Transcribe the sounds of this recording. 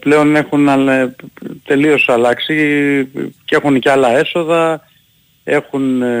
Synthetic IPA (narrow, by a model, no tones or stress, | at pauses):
ple̞o̞ne̞xunɐ | t̪e̞lio̞sɐlɐksi | ce̞xunceɐlɐe̞so̞ðɐ | e̞xun